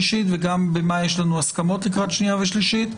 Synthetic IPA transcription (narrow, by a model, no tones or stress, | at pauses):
iʃit̪veɡambemajeʃlanuaskamo̞t̪likʁat̪ʃniaveʃliʃit̪